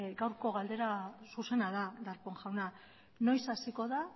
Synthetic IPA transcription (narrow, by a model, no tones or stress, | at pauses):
ɡawɾko̞ɣald̪e̞ɾasuse̞naðad̪aɾpoŋʝawna | no̞jsasiko̞ða